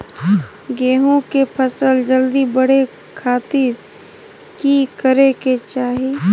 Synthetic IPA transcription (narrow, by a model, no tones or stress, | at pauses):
ɡeːɦõkepʰəsəld͡ʒəld̪ibəɽ̤e | kʰaːt̪ɪɾ | kikəɾeket͡ʃaːɦi